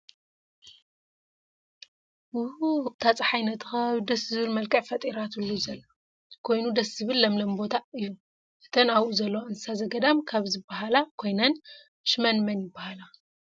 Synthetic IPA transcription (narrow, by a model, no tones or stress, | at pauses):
ɨhut̪ʰat͡sʼɨħajnɐt̪xɐd̪ɐszɨβɨlmɐlkʼɐʕfɐt̪ʼiɾat̪ulːuzɐlːɐ | kʰo̞jnud̪ɐszɨβɨlːɐmlɐmbo̞t̪ʰaɨjːu | ʔɨt̪ʰɐnaβʔuzɐlːowaɨnt̪ɨsazɐɡɐd̪amkʰaβzɨbːaɦalakʰo̞jnɐn | ʃmɐnmɐnjɪbːahala